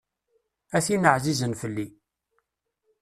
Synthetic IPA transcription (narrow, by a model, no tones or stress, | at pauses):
æθinəʕzizənfəlːi